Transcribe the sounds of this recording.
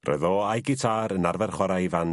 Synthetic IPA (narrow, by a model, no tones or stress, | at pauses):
rɛ̰ðɔajɡɪtʰaːɾənarvɛrχwɔɾajvan